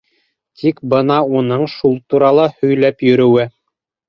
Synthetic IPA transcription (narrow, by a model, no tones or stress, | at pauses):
t̪ʰikbɤnɑunɤɴʃulˠt̪uɾɑlˠɑhɵ̆jlæpjɵ̆ɾɵ̆wɘ